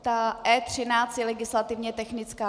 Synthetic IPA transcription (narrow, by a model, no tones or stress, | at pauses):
t̪aʔɛːt̪r̝̥ɪnaːt͡st̪jɛlɛɡɪslat̪ɪvɲɛt̪ɛxnɪt͡skaː